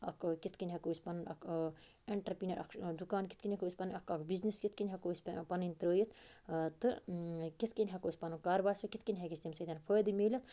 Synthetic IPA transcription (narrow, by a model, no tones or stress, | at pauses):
ɐ̰kkit̪ʰkinʲɦɐkoːisʲpɐnnɐ̰kʰeɳʈɐɾpinɐɾʔɐ̰kʰd̪ukaːnki̥t̪ʰkinʲekosʲpɐnnɐkʰɐkʰbizniskit̪ʰkinʲɦɐkosʲpɐninʲt̪ɾəːjit̪ʰt̪ɨkit̪ʰkinʲɦɐkoːsʲpɐnukaːɾbaːɾsɐkit̪ʰkinʲɦɛkist̪imsɐt̪ʲanpʰəjd̪imeːlɐt̪ʰ